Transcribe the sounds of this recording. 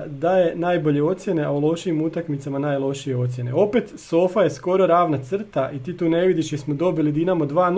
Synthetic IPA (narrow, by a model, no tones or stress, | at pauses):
d̪aje̞najbo̞ʎe̞o̞t̪sje̞ne̞aulˠo̞ʃiimut̪akmit̪samanaːjlˠo̞ʃije̞o̞t̪sje̞ne̞̰o̞pet̪so̞faje̞sko̞ɾo̞ɾaːʋnat̪sr̩t̪aʔit̪iːt̪uːne̞ʋid̪iʃjismod̪o̞bilid̪inamod̪ʋaːn